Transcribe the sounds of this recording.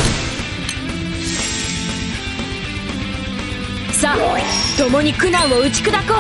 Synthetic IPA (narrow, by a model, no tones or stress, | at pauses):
sat̪o̞mo̞ɲ̟ikɯ̟nãɰ̃oɯ̟t͡ɕi̥kɯ̟d̪akoː